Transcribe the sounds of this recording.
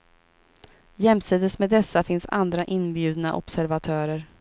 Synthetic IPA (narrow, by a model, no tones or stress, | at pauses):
jɛmsiːd̪əsmɛd̪ɛsːafɪnsa̰nd̪ɾaʔɪnbjʉ̟ːd̪na̰ʔɔ̰b̥sæɾvat̪ʰœːɾəɾ